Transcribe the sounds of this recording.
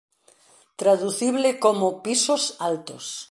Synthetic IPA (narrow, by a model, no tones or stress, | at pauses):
t̪ɾaðuθiβlɪkomopisosalt̪os